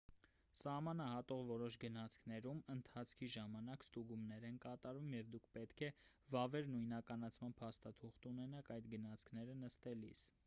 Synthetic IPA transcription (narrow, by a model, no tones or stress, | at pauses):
sɑhmɑnɑhɑt̪ɔʁvɔɾɔʃɡənɑt͡sʰkʰnɛɾumənt̪ʰɑt͡sʰkʰiʒɑmɑnɑkst̪uɡumnɛɾɛnkɑt̪ɑɾumjɛvd̪ukʰpɛt̪kʰɛ | vɑvɛɾnujnɑkɑnɑt͡sʰmɑnpʰɑst̪ɑt̪ʰuχt̪unɛnɑkɑjd̪ɡənɑt͡sʰkʰnɛɾənəst̪ɛlḭs